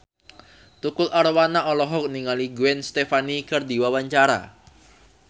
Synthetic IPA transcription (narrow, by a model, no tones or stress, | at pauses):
t̪ukʊlʔaɾwanaʔɔlɔɦɔk̚niŋaliɡuɛnst̪efanikərd̪i̤wawaɲt͡ʃaɾa̰